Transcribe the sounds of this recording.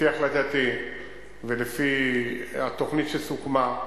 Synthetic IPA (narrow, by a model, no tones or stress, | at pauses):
iaχlat̪at̪i | velefi | at̪o̞χnit̪ʃelsukma